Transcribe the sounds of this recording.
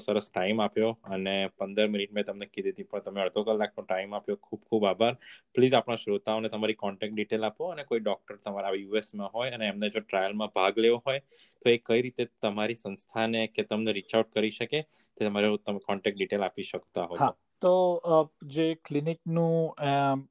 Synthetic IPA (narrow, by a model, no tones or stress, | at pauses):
səɾəsʈaimapjoənepə̃nd̪əɾminiʈ̚mẽt̪əmnekid̪ʱid̪ipəɳt̪əmeəɾd̪ʱokəlːak̚nõʈaimapjokʰubkʰubabʱaɾpliːd͡ʒapɽ̃ãʃɾut̪aonet̪əmaɾikɔɳʈɛk̚ʈ̚ɖiʈelapoənekoiɖɔk̚ʈəɾt̪əmaɾajuesmãɦojəneːmned͡ʒoʈɾajəlmãbʱaɡleoɦoj | t̪oekəiɾit̪et̪əmaɾisə̃nst̪ʰaneket̪əmneɾit͡ʃawʈ̚kəɾiʃəket̪emaɾot̪əekɔɳʈɛk̚ʈ̚ɖiʈelapiʃəkt̪aɦoa | t̪o | d͡ʒeklinik̚nũ